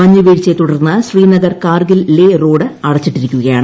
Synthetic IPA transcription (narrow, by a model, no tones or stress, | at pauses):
ɐɲːuʋeːɻit͡ɕːet̪uɽɐrnːɨɕriːnɐɡɐrkaːrɡillero̞ːɽɨɐɽɐt͡ɕːiʈːiɾikʲːuɣɐjaːɳɨ